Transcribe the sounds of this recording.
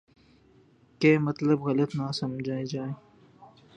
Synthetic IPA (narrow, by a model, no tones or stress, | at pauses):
keːmɐt̪ləbɣɐlət̪naːsɐmd͡ʒʱaːed͡ʒaːeː